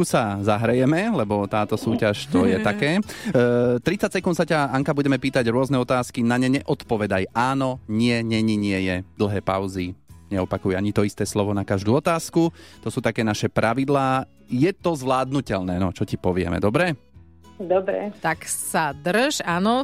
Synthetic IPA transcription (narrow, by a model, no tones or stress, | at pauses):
kusazaɦɾɛjɛmɛlɛbɔt̪aːt̪ɔsuːcaʃt̪ɔjɛt̪akɛː | t̪ɾit͡sacsɛkunt̪sacaaŋkabuɟɛmɛpiːt̪aɟɾʊɔznɛɔt̪aːskinaɲɛɲɛʔɔt̪pɔʋɛd̪ajaːnɔɲɪɛɲɛɲiɲɪɛjɛd̪l̩ˠɦɛːpa̰ʊziɲɛɔpakujɛaɲit̪ɔist̪ɛːslɔʋɔnakaʒd̪uːɔt̪aːskut̪ɔsuːt̪akɛːnaʃɛpɾʔaʋid̪laː | jɛt̪ɔzʋlaːd̪̚nucɛʎnɛːnɔt͡ʃɔcipɔʋɪɛ̰mɛ̰d̪ɔbɾɛ | d̪ɔbɾɛ̰t̪aksad̪r̩ʒanɔ